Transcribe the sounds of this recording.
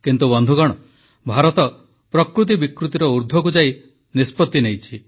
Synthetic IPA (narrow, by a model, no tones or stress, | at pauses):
kint̪ubɔnd̪ʱuɡɔɽ̃ɔ | bʱaɾɔt̪ɔ | pɾɔkɾut̪̬ibikɾut̪iɾɔuɾd̪ʱɔk̬ud͡ʒai | nispɔt̪ːinejt͡ʃʰi